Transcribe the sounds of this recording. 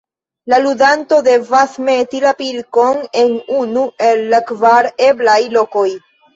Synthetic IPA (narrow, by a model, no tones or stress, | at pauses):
laludanto̞de̞vasme̞tilapilko̞ne̞nunue̞lːakvaɾeblajlo̞ko̞j